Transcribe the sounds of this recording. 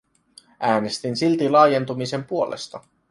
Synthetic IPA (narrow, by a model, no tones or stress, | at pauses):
ʔæːne̞st̪insilt̪ilɑːje̞nt̪umise̞mpuo̞lḛst̪ɑ